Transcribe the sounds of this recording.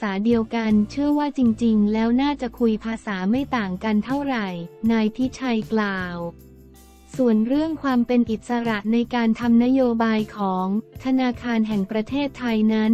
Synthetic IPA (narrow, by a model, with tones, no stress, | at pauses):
saː˩˦di˧əwka˧nt͡ɕʰɯ˥˩əwaː˥˩t͡ɕi˧ŋt͡ɕi˧ŋlɛː˦˥wnaː˥˩t͡ɕa˨˩kʰu˧jpʰaː˧saː˩˦ma˥˩jt̪aː˨˩ŋka˧nt̪ʰa˥˩wɾa˨˩jnaː˧jpʰi˦˥t͡ɕʰa˧jklaː˧˩w | su˨˩ənɾɯ˥˩əŋkʰwaː˧mpe˧nʔi˨˩t̪̚sa˧ɾa˨˩ʔna˧jkaː˧nt̪ʰa˧mna˦˥joː˧baː˧jkʰɔː˩˦ŋt̪ʰa˧naː˧kʰaː˧nɦɛ˨˩ŋpɾa˧t̪ʰeː˥˩t̪ʰːa˧jna˦˥n